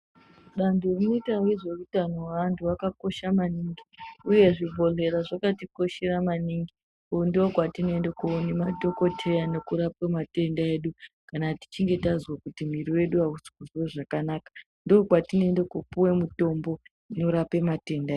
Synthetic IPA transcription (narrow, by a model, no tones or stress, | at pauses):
ɗandʱurino̞itaweʐe̞utanowantʰuwakako̞ʃamaniŋɡiuje̞ʐibʱo̞le̞ɾaʐakatiko̞ʃeɾamaniŋɡi | ndiokwatine̞nde̞kunemato̞ko̞tʰe̞jane̞kuɾapwemate̞ndae̞ɗukanati̥t͡ʃiŋɡe̞tazwakutim̤iriwe̞ɗuausi̥kuzweʐakanakḁ | ndokwatine̞nde̞kupuwe̞muto̞mbo̞ | ino̞ɾape̞mate̞ndaeː